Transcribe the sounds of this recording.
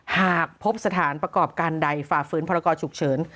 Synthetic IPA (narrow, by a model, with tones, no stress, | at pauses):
haː˨˩k̚pʰo˦˥p̚sa˧t̪ʰaː˩˦npɾa˧kɔː˨˩p̚kaː˧nda˨˩jfaː˨˩fɯː˦˥npʰɔ˧ɾa˧kɔː˧t͡ɕʰu˨˩k̚t͡ɕʰɤː˩˦n